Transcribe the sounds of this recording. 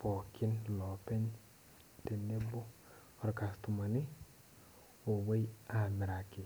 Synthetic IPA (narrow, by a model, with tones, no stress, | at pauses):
pɔ˨kɪ˦nlɔ˨pɛ˦n | te˨nːe˦bo˦ | ɔ˨ɾka˨stu˨ma˨nɪ˦ | o˨we˦ja˨mɪ˨ɾa˨kɪ˨